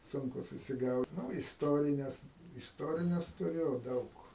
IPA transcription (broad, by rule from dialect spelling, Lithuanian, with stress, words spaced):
ˈsʊŋkʊ sʊsʲɪˈɡɐʊt ˈnʊ ɪsˈtoːrʲɪnʲɛs ɪsˈtoːrʲɪnʲɛs tʊˈrʲʊ ˈdɐʊk